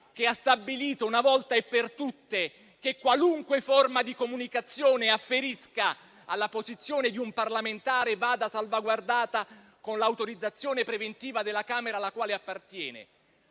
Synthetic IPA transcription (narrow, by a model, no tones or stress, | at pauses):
k̟east̪abːiliːt̪ounavɔlt̪aepːert̪ut̪ːe | k̟ekːwaluŋkweformad̪ikomunikat̪sːjoːneafːeɾiska | a̰lːapozit̪sːjoːned̪iumparlament̪aːɾevaːd̪asalvaɡward̪aːt̪a | konlaːwt̪oɾid̪zːat̪sːjoːnepɾevent̪iːvad̪ɪlːakaːmeɾalakwaːleapːart̪jɛːnḛ